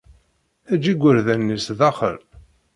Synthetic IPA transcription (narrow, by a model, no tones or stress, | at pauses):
æd͡ʒiɡʷəɾðænːisðɑχə̰l